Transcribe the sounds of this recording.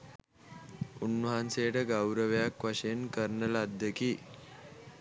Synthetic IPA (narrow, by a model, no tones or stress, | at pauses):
unʋəɦansejəʈəɡawɾəʋejakʋaʂejenkəɾɳəlad̪ːeki